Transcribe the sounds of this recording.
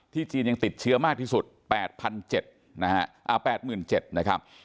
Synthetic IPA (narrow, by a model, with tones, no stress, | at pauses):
t̪ʰiː˥˩t͡ɕiː˧nja˧ŋt̪i˨˩t̪̚t͡ɕʰɯ˦˥ɐmaː˥˩k̚t̪ʰiː˥˩su˨˩t̪̚pɛː˨˩t̪̚pʰa˧nt͡ɕe˨˩t̪̚ | na˦˥ha˦˥ʔa˨˩pɛː˨˩t̪̚mɯː˨˩nt͡ɕe˨˩t̪̚na˦˥kʰɾa˦˥p̚